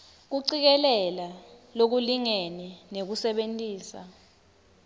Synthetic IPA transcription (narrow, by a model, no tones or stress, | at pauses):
k̬uǀik̬ɛlɛlalok̬uliŋeninek̬usɛɓentʼiːsa̰